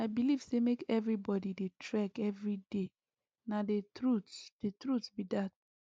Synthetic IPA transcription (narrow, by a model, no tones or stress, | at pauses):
aɪbiliv̥semekɛvɹibɔdidetʰɹɛkɛvɹide | nadetɹutd̥etɹutsbidat̚